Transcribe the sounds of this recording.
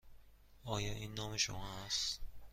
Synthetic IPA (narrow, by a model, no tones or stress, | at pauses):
ʔɒːjɒːʔiːnːɒːmeʃṵnas